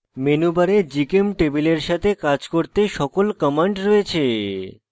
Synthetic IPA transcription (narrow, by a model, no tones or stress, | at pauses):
menubaɾed͡ʑikemʈebileɾʃat̪ʰekad͡ʑkoɾt̪eʃɔkolkəmaɳɖɾɔet͡ɕʰe